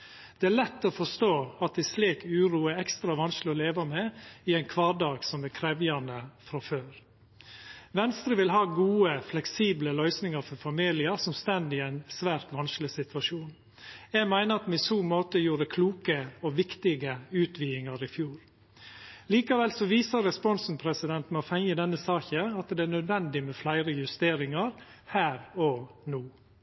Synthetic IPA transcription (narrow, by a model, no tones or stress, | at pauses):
d̪̥ɛæːɭɛt̪ːɔfɔʂt̪oːɑt̪̚d̪ɪsliːkʉːɾuːəɛkst̪ɾɑʋɑnsklɪɔleːʋɑmɛɪæɪnkʰʋɑːɖɑːɡsɔmækʰɾɛʋjɑnəfɾɑføːɾ | ʋɛnst̪ɾəʋɪlɦɑːɡuːəflɛksiːbləlœʏsnɪŋɑɾfɔɾfɑmiːlɪəɾsɔmst̪ɛnd̪ɪæɪnsʋæːɾt̪ʋɑnsklɪsɪt̪ʋɑʂuːn | jæːmæɪnəɾɑt̪m̩ɪsuːmoːt̪əjuːɾəkʰluːkəɔʋɪkt̪ɪɡəʉːt̪ʰʋiːɪŋɑɾɪfjuːɾ | liːkɑʋɛlsɔʋiːsəɾɾɛspɔnsn̩pʰɾɛsɪd̪ɛnt̪mɛɔfɛŋəd̪ɛnːəsɑːçəɑt̪d̪ɛæɳœd̪ʋɛnd̪ɪmɛflæɪɾəjʉst̪eːɾɪŋɑɾhæːɾɔnuː